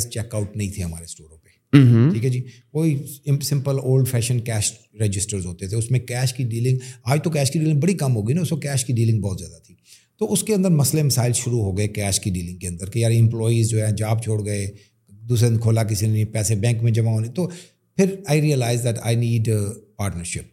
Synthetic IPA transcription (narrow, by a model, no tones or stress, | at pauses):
st͡ʃɛːkaʊʈ̚nɐɦĩt̪ʰeɦɐma̰ːɾesʈoːɾõpe | ʈʰiːkɛd͡ʒiːkoːisɪ̃mpəloːlɖfʰɛːʃə̃nkɛːʃ | ɾed͡ʒɪsʈəɾzɦoːt̪et̪ʰeʊsmẽkɛːʃkiɖiːlɪ̃ŋɡaːd͡ʒt̪ok̬ɛːʃkiɖiːlɪŋɡ̚bɐɽikɐmɦoːɡəinaʊsmẽkɛːʃkiɖiːlɪ̃ŋɡbɔːt̪zjaːd̪at̪ʰiː | t̪oːʊskeɐ̃nd̪əɾmɐslemɪsaːɪlʃʊɾuɦoːɡɐekɛːʃkiɖiːlɪ̃ŋɡ̚keɐ̃nd̪əɾkejaːɾɪ̃mplɔːiːzd͡ʒoːɦɛ̃ːd͡ʒaːbt͡ʃʰoːɽɡɐe | d̪uːs̬ẽnd̪kʰoːlak̬ɪsinĩpɛːsebɛ̃ːŋkmẽd͡ʒɐmãɦõːnĩt̪oː | pʰɪɾaːɪɾiːəlaːɪzd̪ɛʈa̰ɪniːɖpaːɾʈnəɾʃɪp̚